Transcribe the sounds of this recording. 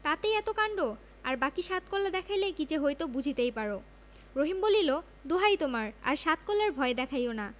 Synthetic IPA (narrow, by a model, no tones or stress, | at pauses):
t̪at̪ejɛt̪okaɳɖo | aɾbakiʃat̪kɔlːad̪ɛkʰajlekit͡ɕeɦojt̪obud͡ʑʱit̪ejpaɾo | ɾoɦimbolilo | d̪oɦajt̪omaɾa̰ɾʃat̪kɔlːaɾbʱɔed̪ɛkʰajona